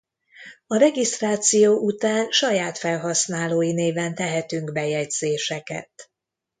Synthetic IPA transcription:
ɒɾɛɡist̪raːt̪sijoːʔut̪aːnʃɒjaːt̪fɛlɦɒsnaːloːjineːvɛnt̪ɛɦɛt̪yŋɡbɛjɛɟz̥eːʃɛkɛ̰t̪

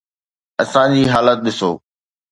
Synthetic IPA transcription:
ɐsãd͡ʑiːɦaːlət̪̚ɗɪso̰ː

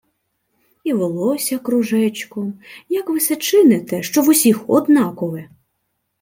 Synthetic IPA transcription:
iʋɔlˠɔsʲɐkɾʊʒɛt͡ʃkɔjɐkʋɪsɛt͡ʃɪnet̪ɛʃt͡ʃɔʋʊsʲixɔ̰d̪nɑkɔʋɛ

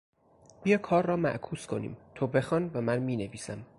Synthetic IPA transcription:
b̥ijɒːkʰɒːɾːɒːmæ̰ʔkʰuːskʰo̞nḭːmt̪ʰobe̞xɒːnvæmænmiːne̞viːsæm

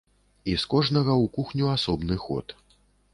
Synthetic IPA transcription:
iskɔʐnɐɣɐwkuxnʲuasɔbnɨxɔ̰t̪

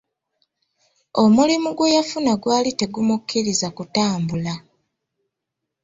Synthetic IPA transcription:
o̞mulimuɡwe̞jafunaɡwaːlite̞ɡumukːiɾizakutaːmbula

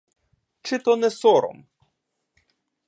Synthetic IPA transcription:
t͡ʃɪt̪ɔnɛsɔɾɔ̰m

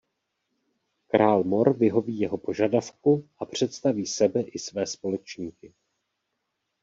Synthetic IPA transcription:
kɾaːlmo̞ɾvɪɦo̞viːjɛɦo̞po̞ʒadafkuʔapr̝̥ɛt̪st̪aviːsɛbɛʔɪsvɛːspo̞lɛt͡ʃɲiːkɪ

